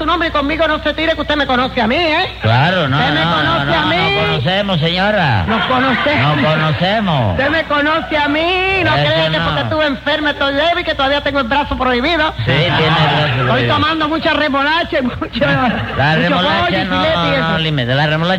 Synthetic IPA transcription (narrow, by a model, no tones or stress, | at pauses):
tunõmbɾeikommiɣonose̞t̪iɾekuht̪eme̞ko̞noθeamĩeklaɾonoemekonoθneaminõkonoθemos̬eɲoɾa̰noskonoθenokonoθemo̰t̪emekonoθeamĩnokɾeakeot̪et̪uβeɱfeɾmet̪ojleβeiket̪oðaβiat̪eŋɡoelbɾaθopɾoiβiðosit̪jeneesojt̪omãnd̪omũt͡ʃaremolat͡ʃaimut͡ʃalaruet͡ʃolβoaʎnieieolimeðelaremola